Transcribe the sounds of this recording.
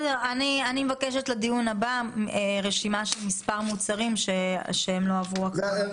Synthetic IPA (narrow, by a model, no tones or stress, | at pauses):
deʁanianimevakeʃet̪lad̪ijunabaeʁeʃimaʃelmispaʁmut͡saʁimʃeʃeemlo̞avʁuak